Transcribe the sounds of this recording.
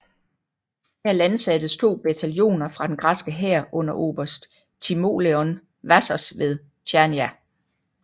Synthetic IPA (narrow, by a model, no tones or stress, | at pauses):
hæɐ̰lænsæd̥ð̩st͡sʰo̝̰ːb̥et͡sʰæljo̝̰ːnɐfʁɑ̈d̥enɡ̥ʁɑsɡ̥əɦɛɐ̰ʔɔ̽n̰ɐʔo̝̰ːb̥ɐsd̥ | t͡sʰimo̝̰leɔn | ʋæsɐsʋe̝ðˠ | t͡ɕʰæɐniæ